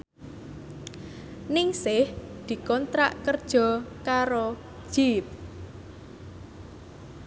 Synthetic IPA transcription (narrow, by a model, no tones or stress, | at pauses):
nɪŋsɪhd̪̥i̤kɔnt̪ɾa̰ʔkərd̥ʒ̥ɔ̤kaɾo̥ | ʒ̥ip̚